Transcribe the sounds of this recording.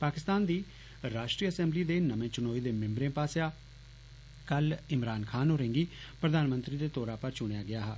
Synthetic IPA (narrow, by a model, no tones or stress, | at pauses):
paːkɪst̪aːnd̪iː | ɾaːʃʈɾiːəsɛ̃ːmbliːd̪eːnəʋẽːt͡ʃʊnoːiːd̪eːmɪ̃mbɾẽːpaːsjaː | kəlɪmɾaːnkʰaːnɦoːɾẽːŋɡiːpɾəd̪aːnmənt̪ɾiːd̪eːt̪oːɾaːpəɾt͡ʃʊɽ̃ejaːɡɪaːɦaː